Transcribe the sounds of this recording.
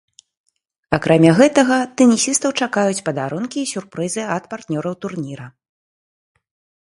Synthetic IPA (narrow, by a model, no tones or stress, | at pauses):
akɾʔamʲaɣɛt̪ɐɣɐt̪ɛnʲisʲist̪ɐwt͡ʂakajut͡sʲpɐd̪aɾunkʲiːsʲurpɾɨzɨɐt̪part̪nʲɔɾɐwt̪urnʲiɾɐ